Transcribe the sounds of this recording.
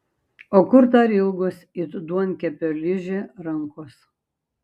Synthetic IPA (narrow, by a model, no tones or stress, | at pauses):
oːkʊɾt̪ɐɾʲɪlˠɡʊsit̪d̪uɔnkʲɛpʲolʲɪʒʲɪɾɐŋkʊs